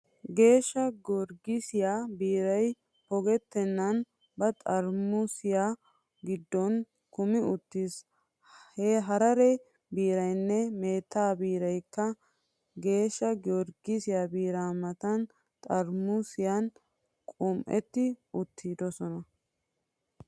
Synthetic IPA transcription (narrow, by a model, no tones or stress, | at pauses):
ɡe̞ːʃːɐɡɔɾɡɪsɪjaːbiːɾɐj | pɔɡɛt̪ːɛnːɐn | bɐt̪ʼɐɾmʊsɪjaː | ɡɪd̪ːɔn | kʊmɪʊt̪ːiːs | heɦɐɾɐɾɛ | biːɾɐjnːɛme̞ːt̪ːaːbiːɾɐjkːɐ | ɡe̞ːʃːɐɡɔɾɡɪsɪjaːbiːɾaːmɐt̪ɐn | t̪ʼɐɾmʊsɪjan | kʼʊmʔɛ̰t̪ːɪʊt̪ʰːiːd̪ɔsɔnɐ